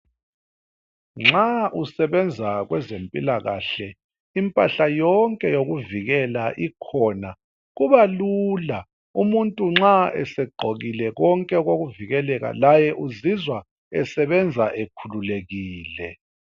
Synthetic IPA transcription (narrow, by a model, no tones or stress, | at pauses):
ŋ͡ǁausɛβɛnd͡zʱaɣwɛzempʼilaɣa̰ɬɛ | impʼaɬajɔŋkʼɛjoɣuviɣɛlaʔikʰɔna | ɣuβalula | umuntʼuŋ͡ǁaɛ̰sɛɡ͡ǃʱoɣilɛɣɔŋkʼɛɣoɣuviɣɛlɛɣa̰lajɛʔuzizwa | ɛsɛβɛnd͡zʱaʔekʰululeɣiːlɛ